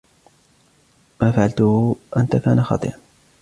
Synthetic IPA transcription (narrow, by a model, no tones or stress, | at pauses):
maːfaʕalt̪ʊhʔant̪akaːnaxɑ̰t̪ˤɨ̰ʔɑn